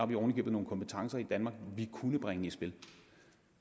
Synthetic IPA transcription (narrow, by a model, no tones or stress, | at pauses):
ɑ̈ʋiɒʊnəɡ̥ḭbð̩no̝ːn̩kʰɒ̽mpʰət͡sʰɑ̈ŋsɐid̥ænmɑ̈ːɡ̥ʋikʰunəb̥ʁaŋəisb̥e̝l